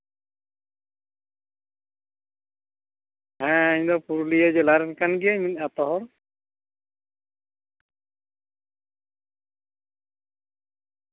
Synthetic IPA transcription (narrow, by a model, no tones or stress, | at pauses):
ɦɛ̃ɲdɔpuɾlijad͡ʒɛlaɾɛnkanɡiaminat̪ɔɦɔɾ